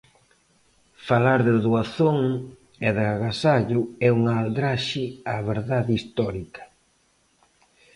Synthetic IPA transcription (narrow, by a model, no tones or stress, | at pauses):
falaɾðɪðuaθoŋ | eðɪaɣasaʎʊɛuŋald̪ɾaʃɪaβeɾðaðist̪ɔɾikɐ̥